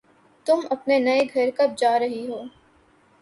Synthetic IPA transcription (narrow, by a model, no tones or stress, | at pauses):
t̪ʊmɐpnenɐeɡʱɐɾkɐb̚d͡ʒaːɾɐɦiɦoː